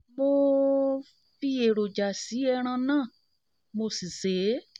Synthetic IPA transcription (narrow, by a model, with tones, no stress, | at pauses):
mo˧ | fi˧e˨ɾo˨d͡ʒa˨si˨˦ɛ˧ɾ̃ã˧nãː˦˨ | mo˧si˨se˨˦